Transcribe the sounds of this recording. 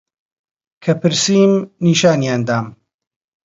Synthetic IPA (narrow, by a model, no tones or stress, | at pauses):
kʰɐpɨɾsiːmniːʃaːnjaːnd̪aːm